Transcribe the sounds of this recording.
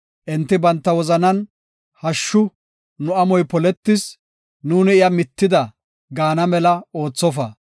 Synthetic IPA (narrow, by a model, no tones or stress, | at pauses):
ʔɪnt̪ːɪbɐnt̪ːɐwɔzɐnɐn | hɐʃːʊ | nʊɐmɔjpɔlɛt̪ːɪs | nuːnɪɪjɐmɪt̪ːɪd̪ɐ | ɡaːnɐmɛlɐo̞ːt͡sːɔfɐ